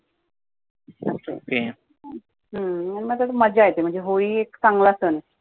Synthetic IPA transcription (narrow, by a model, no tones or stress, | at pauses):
əa̰ke | ɦəənmət̪at̪oməd͡ʑajet̪em̤əɳd͡zeɦoiːeksaŋɡlasən